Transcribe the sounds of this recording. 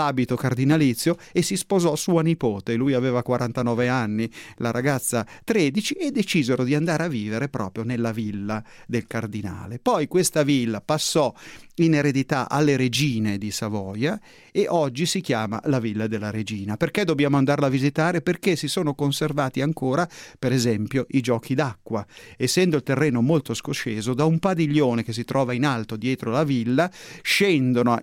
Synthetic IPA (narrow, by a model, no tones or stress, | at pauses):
laːbit̪okard̪inalit̪sːjo | esispozɔsuanipoːt̪elujaveːvakwaɾʔant̪anɔːveanːilaɾʔaɡat̪sːat̪ɾed̪it͡ʃiʔed̪ːet͡ʃizeɾod̪iand̪aːɾeavːiːveɾepɾʔɔ̰ːpɾjonelːavilːad̪elkard̪ina̰ːlepɔjkwest̪avilːapasːɔineɾed̪it̪aʔa̰lːeɾed͡ʒiːned̪isavɔːja | eʔɔd͡ʒːisikjaːma̰lavilːad̪elːaɾed͡ʒiːnaperked̪objaːmoand̪aɾlavizit̪aːɾeperkesisoːnokonservaːt̪iaŋkoːɾapeɾezɛmpjoʔid͡ʒɔːkʰid̪akːwaesːɛnd̪oilt̪erːeːnomolt̪oskot͡ʃeːzod̪aumpad̪iʎːoːnek̟es̬ːit̪ɾʔɔːvainalt̪od̪jɛːt̪ɾolavilːaʃɛnd̪ono